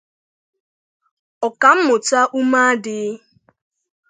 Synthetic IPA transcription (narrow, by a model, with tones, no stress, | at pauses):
ɔ˨ka˨m̩˦mʊ˨ta˦ʔu˦ma˦dɪ˦